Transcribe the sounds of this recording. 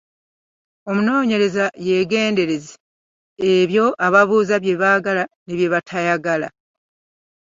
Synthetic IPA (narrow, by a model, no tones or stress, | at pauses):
o̞muno̞ːɲe̞ɾe̞zaje̞ɡe̞ːnde̞ɾeze | eβjo̞ʔaβaβuːzaβje̞βaɡalaneβje̞βatʰajaɡala̰